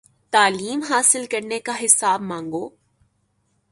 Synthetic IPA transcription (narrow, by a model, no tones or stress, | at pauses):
t̪aːliːmɦaːsɪlkɐɾnekaɦɪsaːbmãːŋɡoː